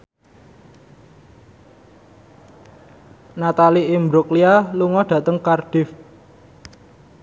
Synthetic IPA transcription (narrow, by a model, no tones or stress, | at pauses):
nat̪aliimbɾuklialuŋɔɖ̥ä̤t̪əŋkarɖ̥ɪf